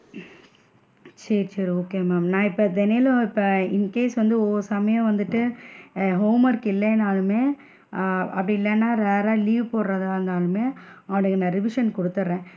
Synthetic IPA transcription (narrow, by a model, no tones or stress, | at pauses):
sɐɾt͡ʃɐɾoːkeːmaːmnãːɪpːɐd̪ɛnelɐ̃ɪpːɐɪnkeːsʋɐnd̪ɯɔsɐmɐjɐ̃ʋɐnd̪ɯʈːɯ | ɦoːmɐɾɯkːɪlːɐnaːlɯmeː | ɐpːɐɽiɪlːɛnːaːɾeːɾaːliːʋpoːɾɾɐðaːɾɯnd̪aːlɯmeːɐʋɐɳɯkːnãːɾɪʋɪʂɐnkɔɽɯt̪ːɯɾɾẽː